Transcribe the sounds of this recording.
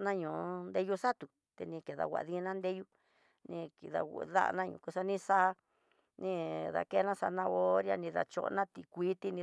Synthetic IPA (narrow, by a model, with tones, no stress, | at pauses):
nã˦ɲũː˨nd̪e˧ju˧sa˦t̪u˨ | t̪e˧nĩ˧ke˨ða̰˧˨wʷa̰˨ʔðĩ˦˧˦nã˦nd̪e˦ju˦ | nĩ˧ki˨ða̰˧ða̰˦˧nã˦ɲṵ̃˧˨ku˧sa˧nĩ˦˧sa˦˧ | nĩ˦˧ða̰˧ke˦nã˦sa˧nã˧o˦ɾja˧nĩ˧ða̰˧t͡ʃo̰˧ʔnã˦t̪i˧kʷi˦t̪i˧nĩ˧